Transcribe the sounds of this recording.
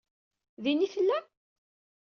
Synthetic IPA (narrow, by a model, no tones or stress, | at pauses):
ðinifəlːæ